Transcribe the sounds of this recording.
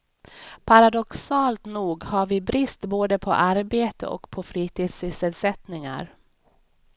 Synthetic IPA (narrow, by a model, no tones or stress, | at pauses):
pʰaɾad̪ɔksɑːlt̪nuːɡhaɾvɪbɾɪst̪boːd̪əpʰɔ̰ʔaɾbeːt̪ə̰ʔɔ̰kpʰɔfɾiːt̪ʰiːd̪sɪsəlsɛt̪nɪŋa̰ɾ